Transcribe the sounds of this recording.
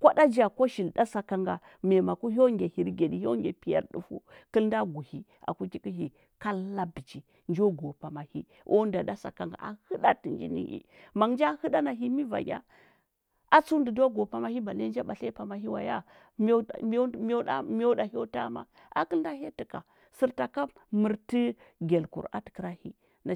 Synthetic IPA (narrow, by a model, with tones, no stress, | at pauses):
kʷa˦da˦d͡ʒa˨ko˦ʃi˨lda˦sa˨ka˨ŋɡa˨ | me˨ma˨ku˦ɦo˦ŋɡe˨hi˨ɾɡe˨ɗi˨ho˦ŋɡʲe˨pi˨ja̰˨ɾɗṵ˦fṵ˦kə˦lnda˦ɡu˨hi˦ | a̰˨ku˦ki˦ki˦ɦi˨ | ka˦lːa˦bi˨t͡ʃi˨ | nd͡ʒo˦ɡo˨pa˨ma˨hḭ˦ | ʔo˦n˦da˨da˦sa̰˨ka˨ŋɡa̰˨a̰˨hɨ˦ɗa˦ti˨nd͡ʒḭ˦nḭ˦hḭ˦ | ma˨ŋnd͡ʒa˦hɨ˦da˦na˨ɦi˦mi˦va̰˨ɲa̰˦ | a˦t͡su˦ndi˨do˦ɡo˨pa˨ma˦hi˦ba˨n˦e˦nd͡ʒa˦ɓa˨ɬe˦pa˨ma˨ɦi˦wa˨ja˦ | m˦˨˦mo˦a˦m˦o˦da˨jo˦ta˦ma̰˦ | ʔa̰˨ki˦ln˦da˦he˦ti˨ka˨ | si˦ɾta˨ka˦mə˨ɾti˦ | ɡe˨lkṵ˨ɾa̰˦ti̥˨kɾa˦hḭ˦ | na˨